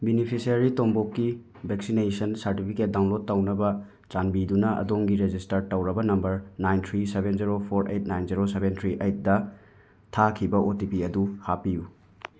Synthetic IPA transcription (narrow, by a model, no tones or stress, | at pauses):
binipʰisiɐɾitombokːi | bʱek̚sinejsɐnsɐɾtipʰiket̚daw̃nlot̚ːɐwnɐbɐ | t͡ʃanbidunɐʔɐ̰doŋɡiɾed͡ʒistɐɾtɐwɾɐbɐnɐmbɐɾnajntʰɾisebenziɾopʰoɾḛjt̚najnziɾoseβentʰɾiʔejt̚dɐ | tʰakʰibɐʔotipiɐduhapiju